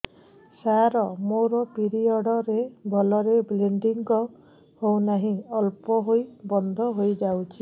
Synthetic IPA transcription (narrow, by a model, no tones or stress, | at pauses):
saɾɔmoɾɔpiɾiɔɽɔɾebʱɔlɔɾebleɳɖiŋkɔ | hownaɦĩɔlpɔɦojbɔnd̪ʱɔɦojd͡ʒawt͡ʃʰi